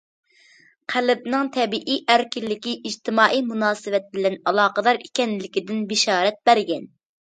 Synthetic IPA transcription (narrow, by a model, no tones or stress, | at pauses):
qʰælɪb̚nɪŋt̪ʰɛbiʔiʔæɾkʲilːɪkʲiʔid͡ʒt̪ʰɪmɑːʔijmunɑːsɨvɛt̪̚bɪlɛnɑlˠɑːqəd̪ɑɾikʲɛnlɪkʲid̪ɪnbɪʃɑːɾɛt̪̚bæɾɡʲɛn